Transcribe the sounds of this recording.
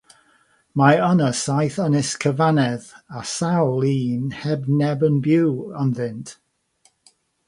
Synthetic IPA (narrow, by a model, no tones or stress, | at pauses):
maənəsajθənɪskʰəvanɛðasawlˠiːnhɛbnɛbənbjuwənðɪntʰ